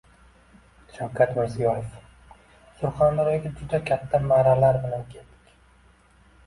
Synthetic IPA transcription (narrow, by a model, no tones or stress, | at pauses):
ʃawkʲʰat̪mɪɾzijɒjef | sʊɾχand̪aɾjaɡʲad͡ʒʊd̪akʲʰat̪ʰːamaɾalaɾbɪlankʲʰe̞ld̪̥ɪ̥kʲ